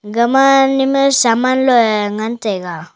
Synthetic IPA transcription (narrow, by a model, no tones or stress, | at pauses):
ɡəmanimɯsamanlɔjŋant̪ejɡa